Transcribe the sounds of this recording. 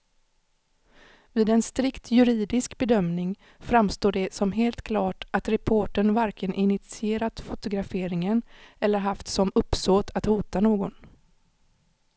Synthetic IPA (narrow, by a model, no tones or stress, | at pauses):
vɪːd̪ɛnst̪ɾɪkt̪jɵɾiːd̪ɪskbɛd̪œmnɪŋ | fɾamst̪oːɖɛsɔmɦeːlt̪kʰlɑːʈat̪ɾɛpʰoːʈəɳvaɾkʰənʔɪnɪt̪sɪeːɾat̪fʊt̪ʊɡɾafeːɾɪŋənɛlːəɾɦaft̪sɔmɵpːsoːt̪ʰat̪huːt̪anoːɡɔn